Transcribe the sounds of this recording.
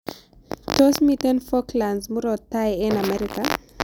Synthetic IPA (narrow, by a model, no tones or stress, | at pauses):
tosmitɛnfɔklansmuɾɔtːajɛnamɛɾika